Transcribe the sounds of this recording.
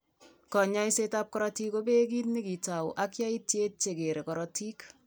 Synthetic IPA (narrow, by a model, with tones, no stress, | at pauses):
kɔ˨ɲa˦jse˦tap̚kɔɾɔ˦ti˦ko˦be˦k̬i˦tnɪ˦ki˨ta˨w̰ʔa˦kja˦i˦t̚t͡ʃe˦t̚t͡ʃe˨ke˨ɾe˨kɔ˨ɾɔti˦k